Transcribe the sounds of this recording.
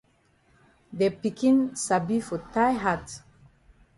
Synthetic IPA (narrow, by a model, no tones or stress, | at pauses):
depikĩnsabifɔtajɦat